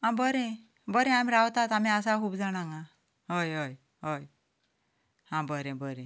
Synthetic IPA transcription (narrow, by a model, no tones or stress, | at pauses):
ãbəɾẽ | bəɾẽamiɾawt̪at̪amĩas̬akuːbd͡zaɽ̃aŋɡa | ɦəjɦəj | ɦoj | hãbəɾẽbəɾẽ